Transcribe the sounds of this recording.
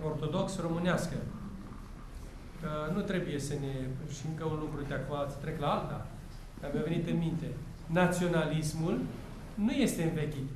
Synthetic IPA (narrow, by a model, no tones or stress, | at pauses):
o̞rt̪o̞d̪o̞ksro̞mɨneaskə | kənut̪ɾe̞buje̞səneʃt̪imkəunlumɾud̪eakomast̪ɾe̞klaalt̪a | d̪amjave̞nit̪ɨnmint̪e̞ | nat̪sio̞nalismul | nuje̞st̪e̞ɨnvekʲit̪